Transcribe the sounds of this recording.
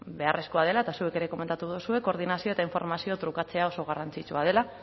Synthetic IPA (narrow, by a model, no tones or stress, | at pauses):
be̞are̞sko̞að̞e̞lae̞t̪asue̞ke̞ɾe̞ko̞me̞nt̪at̪uðusue̞ko̞ɾð̞inasio̞e̞t̪aiɱfo̞ɾmasio̞t̪ɾukat͡se̞ao̞so̞ɣ̞arant͡sit͡ʃuað̞e̞la